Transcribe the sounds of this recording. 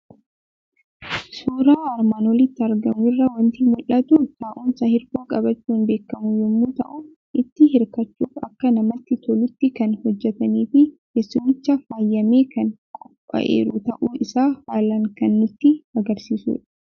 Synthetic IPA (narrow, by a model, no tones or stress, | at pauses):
suːɾaːɐɾmaːnwɔlɪt̪ːɪɐɾɡɐmʊɪrːɐwɐnt̪imʊlːɐt̪ut̪aːʔumsɐhɪɾkoːkʼɐbɐt͡ʃːuːnbe̞ːkːɐmʊjɛmːuːt̪ɐ̰ʔʊ | ʔɪt̪ːɪhɪɾkɐt͡ʃːuːfɐ̰kːɐnɐmɐt̪ːɪt̪ʰɔlʊt̪ːɪkɐnhɔd͡ʒːɛt̪ɐniːfɪkesːʊmːɪt͡ʃːɐfaːjːɐmeːkɐn | kʼʊpʼːɐ̰ʔḛːɾʊt̪ɐʔuːʔɪsaːfaːlɐŋkɐnːʊt̪ːɪɐɡɐɾsiːsṵːᶑɐ̥